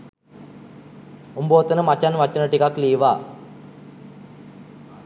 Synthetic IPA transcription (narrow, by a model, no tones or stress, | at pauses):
umboːt̪ənəmat͡ʃanʋat͡ʃənəʈikakliːʋaː